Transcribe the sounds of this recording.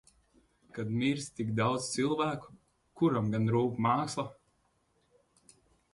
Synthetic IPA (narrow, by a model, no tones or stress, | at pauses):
kad̪miɾsʲt̪ʲikd̪awt̪st̪sʲilˠvæːku̥ | kuɾamɡanɾuːkmɑːkslˠa